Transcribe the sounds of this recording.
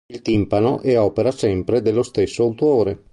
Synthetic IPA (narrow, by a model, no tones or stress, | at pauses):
ilt̪impano̰ʔɛɔːpeɾasɛmpɾed̪elːost̪esːoawt̪uoːɾe